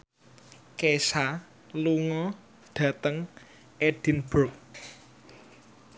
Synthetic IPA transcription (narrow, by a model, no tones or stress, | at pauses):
kesa | luŋɔ | ɖ̥ä̤t̪əŋ | eɖ̥i̤nb̥ʊk̚